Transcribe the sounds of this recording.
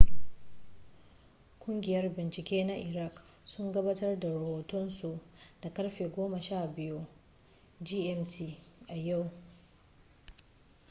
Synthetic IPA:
kʷʼʊ˦ŋɡʲɪ˨jɐ˦rbɪ˨nt͡ʃɪ˨kʲeː˦na˦ʔɪ˨ɾa˦˨k | sʊ˦ŋɡɐ˦baː˦tɐ˦rda˨ɾɐ˨hoː˨tʊ˦nsu˨ʔd̥a˨kɐ˦ɽɸeː˨ɡʷoː˦ma˨ʃaː˦˨bɪ˦ju˦ | d͡ʒiː˦ʔɛ˦mtʰi˦˨ʔa˨ja˦˨w

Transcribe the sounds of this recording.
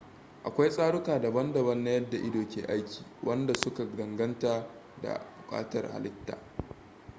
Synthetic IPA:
ʔa˨kʷa˦jsʼaː˦ɽʊ˦kaː˨da˨bɐ˦ndɐ˨bɐ˦nːa˦jɐ˦dːa˨ʔɪ˦doː˨kʲeː˨ʔa˦jkʲi̥ː˨wʔɐ˦nda˨sʊ˦ka˨ɡɐ˨ŋɡɐ˦ntaː˨ | da̰˨bʊ˨kʼa̰ː˦tɐ̰˨rha̰˨lɪ˦tːa̰ː˨

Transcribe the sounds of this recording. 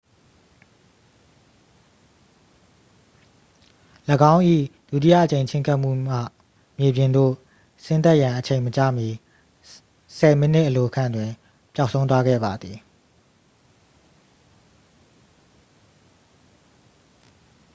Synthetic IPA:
ləɡã˦ʊ̃ʔḭ˦˨d̥u˦˨t̬ḭ˦jä̰˦˨ʔət͡ɕẽ˨ɪ̃ɲt͡ɕʰɪ̰̃˦ŋkʰa˦ʔm̥ṵ˦˨ma̰˦˨ | mje˨bjɪ̃˨nd̪o̰˦˨ | sɪ̃˦nt̪a˦ʔjã˨ʔət͡ɕʰẽ˨ɪ̃mət͡ɕä̰˦˨mji˨ | sɛ˨mə˦n̥ɪ˦ʔəlo˨ʔəkʰã˦˨ndwɪ̃˨ | pja˦ʔsʰõ˦ʊ̃nt̪wa˦ɡɛ̰˦˨ba˨d̪ði˨

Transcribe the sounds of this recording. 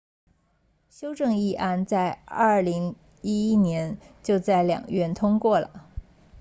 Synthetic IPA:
ɕjo˥ʊʈ͡ʂɤ˥˧ŋi˥˩ʔa˥˧nt͡sa˥˧ɪɐ˞˥˩li˧˥ŋ | i˥i˥njɛ˧˥nt͡ɕjo˥˧ʊt͡sa˥˩ɪljɑ̰˨˩ŋɥɛ˥˩nt̪ʰʊ˥ŋkwɔ˥˩lə̰˩

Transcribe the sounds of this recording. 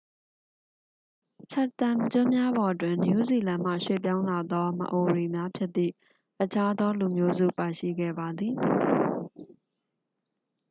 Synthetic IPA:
t͡ɕʰa˦˨t̪ã˨mt͡ɕʊ̃˦mja˦bɔ˨ʔətwɪ̃˨nju˦zi˨lã˨m̥ä̰˦˨ʃwḛ˦˨p̬jã˦ʊ̃la˨d̪ɔ˦mə̰˨ʔo˨ɹe˨mja˦pʰjɪ˦t̪t̪ːḭ˦˨ | ʔə˨t͡ɕʰa˦d̪ɔ˦lu˨mjo˦zṵ˦˨pa˨ʃḭ˦˨ɡɛ̰˦˨ba˨d̪ði˨

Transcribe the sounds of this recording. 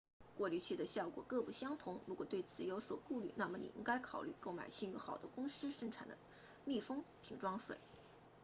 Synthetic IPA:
kwɔ˥˩ly˥˧t͡ɕʰy˥˩d̪ə˩ɕjɑ˥˩ʊkwɔ̰˨˩kɤ˥˧pu˥˩ɕjɑ˥ŋt̪ʰʊ˧˥ŋɻu˧˥kwɔ˨˩t̪we˥˩ɪt͡sʰɹ̩˨˩jo˧˥ʊswɔ˨˩ku˥˧ly˥˩na˥˩mə˩nḭ˨˩ʔi˥ŋka˥ɪkʰɑ˨˩ʊly̰˥˩ko˥˩ʊma̰˨˩ɪɕi˥˧ŋy˥xɑ̰˨˩ʊd̪ə˦kʊ˥ŋʂɹ̩˥ʂə˥˩ŋʈ͡ʂʰa̰˨˩nd̪ə̰˦ | mi˥˩fɤ˥ŋpʰi˧˥ŋʈ͡ʂwɑ˥ŋʂwḛ˨˩ɪ

